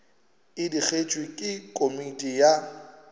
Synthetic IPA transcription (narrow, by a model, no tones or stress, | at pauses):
ɪdik͡xʰet͡ʃʼwikʼɪkʼomitʼija